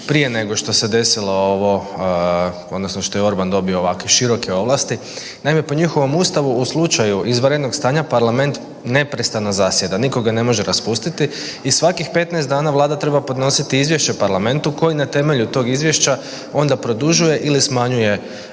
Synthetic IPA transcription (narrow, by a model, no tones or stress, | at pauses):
pɾije̞ne̞ɡo̞ʃt̪o̞se̞d̪e̞silooʋo̞ | o̞d̪nosno̞ʃt̪o̞jeo̞ɾband̪o̞bioːʋakʋeʃiɾo̞keo̞ʋlˠast̪i | najime̞po̞ɲixo̞ʋo̞must̪aʋuuslˠut͡ʃajuʔizʋɾed̪no̞ɡst̪aːɲapaɾlame̞nt̪ | ne̞pɾest̪anazasje̞d̪aniko̞ɡane̞mo̞ʒeɾaspust̪it̪i | isʋakixpe̞t̪naesd̪aːnaʋlˠaːd̪at̪ɾe̞bapod̪no̞sit̪iizʋje̞ʃt͡ɕepaɾlame̞nt̪uko̞jinat̪e̞me̞ʎut̪o̞ɡizʋje̞ʃt͡ɕa | o̞nd̪apɾo̞d̪uʒuje̞ʔilismaɲuje̞